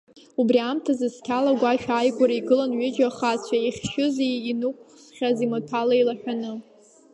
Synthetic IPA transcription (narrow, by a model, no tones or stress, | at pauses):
ubriamtʰazɨskʲʰalaɡʷaʃᶣaajɡʷaɾaiɡɨlanɥʏd͡ʒaχat͡ɕʷʰaiχʲʃʊzeinukʷ | χʲazimatʰalailaħʷᶣanɨ